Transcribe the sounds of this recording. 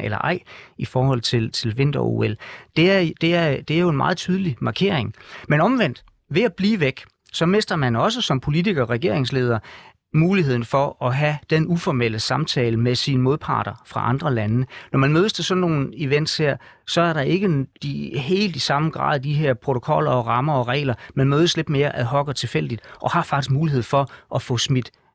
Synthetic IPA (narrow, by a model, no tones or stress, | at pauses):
ʔelɐ̰ʔɑ̈ɪ̰ifɒːhɒ̽l̰t͡sʰe̝lt͡sʰe̝lʋe̝n̰d̥ɐṵeld̥e̝æɐd̥e̝æɐd̥e̝æɐjo̝e̝nmɑ̈ːð̞̩ˠt͡sʰyːð̞ˠlimɑ̈kʰe̝ɐ̰eŋmenɒ̽mʋen̰d̥ | ʋe̝æb̥liːʋeɡ̥ | sɒ̽me̝sd̥ɐmænɒ̽s̬əsɒ̽mpʰo̝lit͡sʰiɡ̥ɐɒʁɛɡ̥e̝̰ɐ̰e̝ŋsle̝ːð̞ˠɐ | muːliɦe̝ð̰ˠn̩fɒ̽ɒɦæd̥enufɒmel̰əsɑ̈mt͡sʰɛːləmesinəmo̝ð̞ˠpʰɑ̰̈ːɾ̥ɐfʁɑ̈ʔɑ̈nd̥ʁɐlænnɒmænmøːð̞ˠsd̥ʰe̝sɒ̽nːo̝ːn̩iʋen̰d̥sheɐ̰ | sɒ̽æɐɾɑ̈ʔe̝ɡ̥əd̥iɦe̝̰ːld̥isɑ̈məɡ̥ʁɑ̰̈ːðˠd̥iɦeɐ̰pʰʁo̝t͡sʰo̝kʰɒ̽l̰ɐɒ̽ʁɑ̈mɐɒ̽ʁɛ̰ːɪlɐmænmøːð̞ˠəsle̝d̥me̝ːɐʔæɦɒ̽ɡ̥ɐt͡sʰe̝fel̰d̥id̥ʔɒ̽hɑ̈fɑ̈ɡ̥isɡ̥̚muːliɦe̝ð̞̰ˠfɒ̽ʔɒfɔ̽smid̥